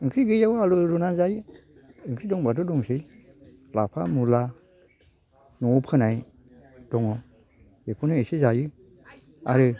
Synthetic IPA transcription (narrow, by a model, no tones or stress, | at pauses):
ɯŋkʰɾiɡɯjawaluɾɔnazajɯː | ŋkʰɾidɔŋbatɔdɔŋse | lapʰamula | nɔpʰɯnaj | d̥ɔŋɔ | jepʰunɯesizajɯ | a̰ɾɯ